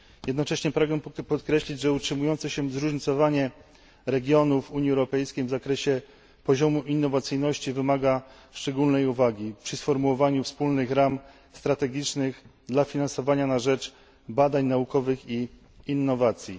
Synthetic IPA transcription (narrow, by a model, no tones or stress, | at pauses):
jɛd̪nɔt͡ʂɛɕɲɛpɾaɡnɛpɔt̪kɾɛɕlʲid͡ʑʐɛutʂɘmujɔnt̪sɛɕɛzɾuʐɲit̪sɔvaɲɛ | ɾɛɡʲjɔnufuɲiɛwɾɔpɛjskʲejvzakɾɛɕɛ | pɔʑɔmuʔinːɔvat̪sɘjnɔɕt͡ɕivɘmaɡa | ʂt͡ʂɛɡulnɛjuvaɡʲipʂɘsfɔɾmuwɔvaɲufspulnɘxɾam | st̪ɾat̪ɛɡʲit͡ʂnɘɣd̪lafʲinansɔvaɲanaʐɛt͡ʂ | bad̪aɲnaukɔvɘxiː | nːɔvat̪sʲji